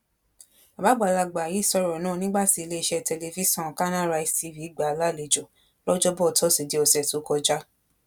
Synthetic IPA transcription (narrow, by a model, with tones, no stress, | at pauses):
a˨ba˨˦ɡ͡ba˨la˧˨ɡ͡ba˨ji˨˦˨sɔ˧ɾɔ˨nãː˦˨nĩ˦ɡ͡ba˦ti˧le˦i˧ʃɛ˧tɛ˧le˧vi˦sɔ̃˦˨ka˦nã˦ɾa˧i˨ti˨˦vi˨˦ɡ͡ba˨˦la˦˨le˧˨d͡ʒɔ˨ | lɔ˦d͡ʒɔ˦bɔ˦˨tʰɔ˦si˨di˨˦ɔ˧sɛ˨tu˨˦kɔ˧d͡ʒa˦